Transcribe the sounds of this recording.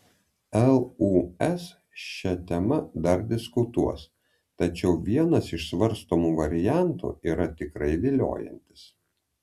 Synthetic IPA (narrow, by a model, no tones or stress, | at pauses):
ɛlˠuːɛs | ʃʲɛt̪ʲɛmɐd̪ɐɾd̪ʲɪskʊt̪uɔs | t̪ɐt͡ʃʲɛʊʋʲiɛnɐsɪʃsʋɐɾst̪omuʋɐɾʲɪjænt̪ṵːʔiːɾɐt̪ʲɪkɾɐɪʋʲeːlʲo̰ːjɛ̰nʲt̪ʲɪ̥s